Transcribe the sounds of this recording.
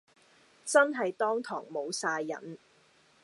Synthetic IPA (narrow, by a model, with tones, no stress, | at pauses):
t͡sɐ˥nɦɐ˨jt̪ɔː˥ŋt̪ʰɔ̰ː˨˩ŋmo˨˧wsaː˧jːɐ̰˨˩n